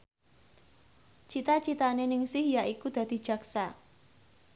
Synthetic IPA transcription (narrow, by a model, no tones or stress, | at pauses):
t͡ʃit̪at͡ʃit̪anenɪŋsɪhjaʔikud̪̥ä̤d̪̥i̤̥d͡ʒ̥a̤ksa